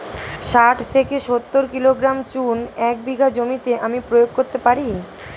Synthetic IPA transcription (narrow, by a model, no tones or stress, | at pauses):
ʃaʈʰt̪ʰekeʃot̪ːoɾkiloɡɾamt͡ɕunɛk̚biɡʱad͡ʑomit̪eʔamipɾojoɡ̚koɾt̪epaɾi